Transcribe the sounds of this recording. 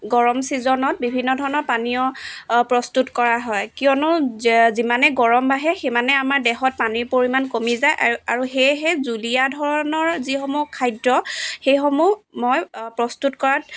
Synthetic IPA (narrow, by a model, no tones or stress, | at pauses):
ɡɔɹɔmsizɔnɔt̚bibʱinːɔdʱɔɹɔnɔɹpanijɔpɹɔstutkɔɹaɦɔjkijɔnʊzimanɛɡɔɹɔmbaɦɛxemanɛamaɹdɛxɔt̚paniɹpoɹimankomizajʔaɹuxejɦɛzulijadʱɔɹɔnɔɹzixɔmukʰajdɹɔxejxɔmumɔjpɹɔstutkɔɹat̚